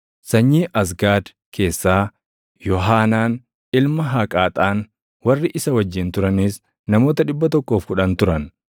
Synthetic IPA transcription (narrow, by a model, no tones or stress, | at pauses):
sɐɲːiːʔɐs̬ɡaːd̪ | kʰe̞ːsːaː | jɔɦaːnaːn | ɪlmɐɦakʼaːt̪ʼaːn | wɐrːɪʔɪsɐwɐd͡ʒːɪnt̪ʊɾɐnis | nɐmo̞ːt̪ɐᶑɪbːɐt̪ɔkːo̞ːfkʊᶑɐnt̪ʊɾɐn